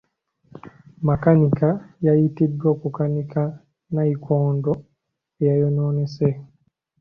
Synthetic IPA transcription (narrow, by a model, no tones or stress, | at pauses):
makanikajajitidwokukanikʰa | naikʰoːndo | ejajonoːnese